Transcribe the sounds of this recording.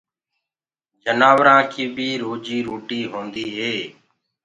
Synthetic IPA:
d͡ʒənaːʋɾãːkiːbʱiːɾoːd͡ʒiːɾoːʈiːɦõːnd̪iːɦeː

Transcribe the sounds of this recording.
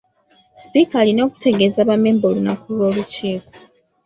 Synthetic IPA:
spikalino̞ːku̥te̞ɡe̞zaβameːmbolunakulo̞ːluciːko̥

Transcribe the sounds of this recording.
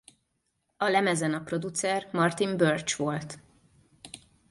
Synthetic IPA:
ɒlɛmɛzɛnɒpro̞d̪ut̪sɛrmɒrt̪imbørt͡ʃʋo̞lt̪

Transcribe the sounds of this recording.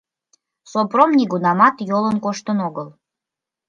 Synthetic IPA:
sopromnʲiɡunɑmɑt̪jolənkoʃt̪ənoɣəl

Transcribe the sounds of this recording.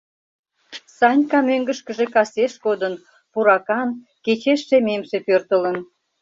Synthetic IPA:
sɑnʲkɑmøŋɡə̆ʃkə̆ʒekɑseʃkod̪ən | puɾɑkɑn | ket͡ɕeʃːememʃepørt̪ələn

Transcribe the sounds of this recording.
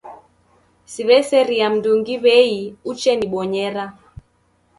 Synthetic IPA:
siβɛsɛɾiam̩duŋɡiβɛiut͡ʃɛniɓɔɲɛɾa

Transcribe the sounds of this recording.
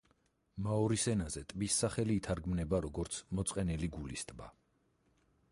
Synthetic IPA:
maɔɾisɛnazɛt̪ʼbisːaχɛliːt̪ʰaɾɡmnɛbaɾɔɡɔɾt̪sʰmɔt̪sʼqʼɛnɛliɡulist̪ʼba̰

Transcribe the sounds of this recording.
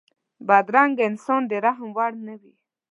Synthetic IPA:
bad̪ɾaŋɡɪnsond̪eɾaɦmwaɽnəwi

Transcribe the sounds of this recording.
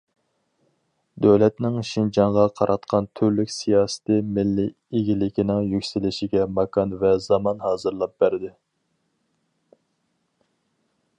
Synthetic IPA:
d̪øwlɛt̪nɪŋʃind͡ʒɑɴʁɑqʰɑɾʔɑt̪qʰɑnt̪ʰyɾlykʲsijɑːsɨ̥t̪ɪmɪlːi | eɡʲilɪkʲinɪŋjykʲsɪlɪʃɪɡʲɛmɑkʰɑnvɛzɑmɑnhɑːzɨɾlˠɑp̚b̥æɾɪd̪ɪ

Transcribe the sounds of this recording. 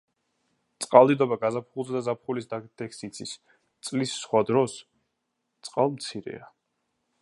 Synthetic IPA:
t̪sʼqʼalˠd̪id̪ɔbaɡazap̚χulˠzɛd̪azapχulisd̪ad̪̥ɛksit̪sʰis | t̪sʼlisːχwad̪ɾɔs | t̪sʼqʼalˠmt̪sʰiɾɛ̰a

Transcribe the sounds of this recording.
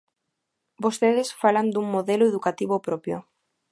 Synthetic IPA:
bost̪eð̞esfaland̪uŋmoðeloeðukat̪iβopɾopjo̰

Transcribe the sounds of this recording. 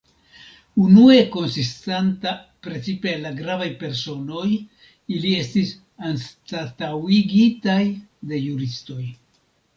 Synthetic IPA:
unue̞ko̞nsistanta | pɾe̞t͡sipelaɡɾavajpe̞ɾso̞no̞j | ilie̞stis | anstatawiɡitajde̞juɾisto̞j

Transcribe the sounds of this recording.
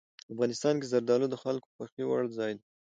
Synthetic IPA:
afɣɑnɪst̪ɑnkezaɾd̪ɑlod̪əxalkoxwaxiwa̰ɽzɑjd̪a

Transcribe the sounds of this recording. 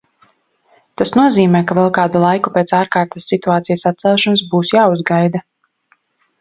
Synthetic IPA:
t̪asnuɔziːmɛːkavɛlˠkaːd̪ulˠajkupeːt̪saːɾkaːɾt̪ḁsːit̪uaːt̪sijsat̪sɛlˠʃɔnsbuːsjaːuzɡajd̪a

